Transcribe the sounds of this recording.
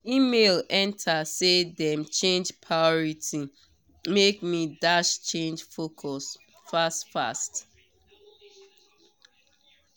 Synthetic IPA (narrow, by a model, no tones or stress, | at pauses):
imelɛ̃ntʰasedɛ̃mt͡ʃẽnd͡ʒpʰɹaɪɔɹitʰi | mekmidaʃt͡ʃẽnd͡ʒfokʰɔs | fastfa̰st